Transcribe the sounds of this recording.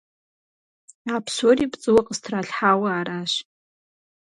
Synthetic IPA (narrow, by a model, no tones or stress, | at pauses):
apʰsoɾibt͡sʼɨwaqʼəstʰraɬʲħawaːɾaʃ